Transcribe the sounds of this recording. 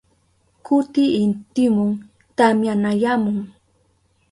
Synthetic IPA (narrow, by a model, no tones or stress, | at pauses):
kʊt̪ɪɪnt̪ɪmʊŋ | t̪amjanajamʊŋ